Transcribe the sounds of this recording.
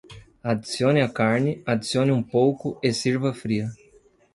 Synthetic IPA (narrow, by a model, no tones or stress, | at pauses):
ad̪isiõnɪɐkaɾnɪad̪isionɪũpowkʊesiɾvɐfɾiɐ